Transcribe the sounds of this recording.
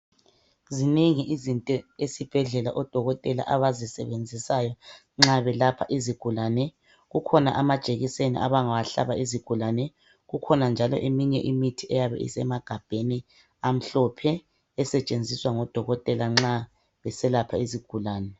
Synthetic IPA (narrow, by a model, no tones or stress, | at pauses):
ziniŋiʔizintʼɛesib̥ʱɛɮɛlaʔɔd̥ʱɔɣɔtʼɛla̰ʔaβazisɛ̰βend͡zʱisajɔ | ŋ͡ǁaβɛlapʰa̰ʔiziɡ̥ʱulaːnɛ | ɣukʰɔnaʔamad̥t͡ʃʼeɣisenḭʔa̰βaŋawaɬa̰βaiziɡ̥ʱulanɛ | ɣukʰɔnand͡ʒʱalɔ̰ʔemiɲɛ̰ʔimitʰiɛjaβɛ̰ḭsɛmaɡ̥ʱab̥ʱeni | am̩ɬɔpʰɛː | sɛt͡ʃʼend͡zʱiswaŋɔd̥ʱɔɣɔtʼɛlaŋ͡ǁa | βɛsɛlapʰaiziɡ̥ʱulaːnɛ